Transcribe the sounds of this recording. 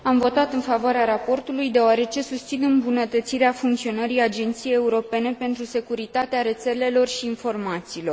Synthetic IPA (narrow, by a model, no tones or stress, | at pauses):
amvo̞t̪at̪ɨnfavoaɾeaɾapo̞rt̪ulujd̪e̞oaɾe̞t͡ʃe̞sust̪sinɨmbunət̪ət̪siɾeafuŋkt̪sio̞nəɾijad͡ʒe̞nt̪sijeje̞uɾo̞pe̞ne̞pe̞nt̪ɾuse̞kuɾit̪at̪eaɾe̞t̪se̞le̞lo̞rʃiːnfo̞rmat̪siːlo̞r